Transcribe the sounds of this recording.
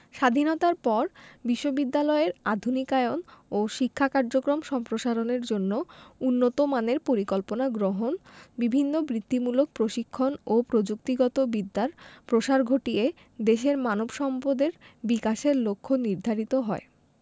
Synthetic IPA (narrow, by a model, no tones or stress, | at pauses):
ʃad̪ʱinot̪aɾpɔɾbiʃːobid̪ːalɔeɾad̪ʱunikaeonoʃikʰːakaɾd͡ʑokɾomʃɔmpɾoʃaɾoneɾd͡ʑonːounːot̪omaneɾpoɾikɔlponaɡɾoɦonbibʱinːobɾit̪ːimulok̚pɾoʃikʰːonopɾod͡ʑuk̚t̪iɡɔt̪obid̪ːaɾpɾoʃaɾɡʱoʈie | d̪eʃeɾmanobʃɔmpod̪eɾbikaʃeɾlokʰːoniɾd̪ʱaɾit̪oɦɔe